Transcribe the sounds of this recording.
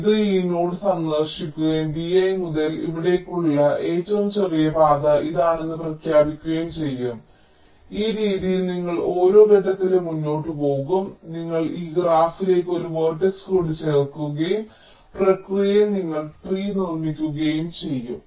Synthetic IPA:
iðɨiːno̞ːɽɨsɐŋɡɐrʂikʲːuɣɐjumbiɐjmuðɐlḭʋiɽe̞kːuɭːɐʔeːtːoːmsɐʋebʱaːðɐʔiðaːɳenːɨprɐkʰjaːbikʲːuɣɐjumt͡ɕe̞jːum | iːɾiːðijilniŋːɐɭo̞ːɾo̞ːɡeɖɐt̪ːilemunːo̞ːʈːɨpo̞ːɣumniŋːɐɭiːɡraːfile̞ːkʲːo̞ɾuʋɐːrʈːekskoɽut͡ɕerkːuɣɐjum | prɐkrijɣjjɐniŋːɐɭpriːnirmikʲːuɣɐjumt͡ɕe̞jːum

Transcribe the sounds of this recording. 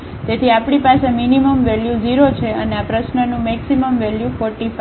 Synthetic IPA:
t̪et̪ʰiapɽ̃ipaseminiməmʋɛljud͡ʒiɾot͡ʃʰeəneapɾəsnənũmɛksiməmʋɛljufɔɾʈifa

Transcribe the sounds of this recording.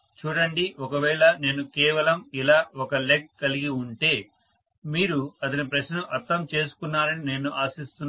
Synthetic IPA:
t͡ʃuːɽɐɳɖiɔkɐʋɛːɭɐne̞ːnukɛːʋɐlɐmilaːɔkɐlek̚kɐliɡiuɳʈe̞ː | miːɾuɐd̪ɐnipɾɐʃnuʔɐɾt̪ʰːɐmt͡ʃe̞ːs̬u̥kunːaːɾɐnine̞ːnuʔaːsist̪unː

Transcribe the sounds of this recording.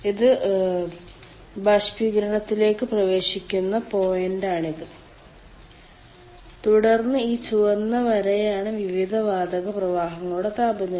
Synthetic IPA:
iðɨ | baːɕpiɡɾɐɳɐt̪ːile̞ːkːɨprɐʋe̞ːɕikʲːunːɐpo̞ːjendaːɳiðɨ | t̪uɽɐrnːɨiːt͡ɕuʋɐnːɐʋɐɾejaːɳɨʋiʋid̪ʱɐʋaːd̪ɐɣɐprɐʋaːɦɐŋːɐɭuɽet̪aːbɐnːɐ

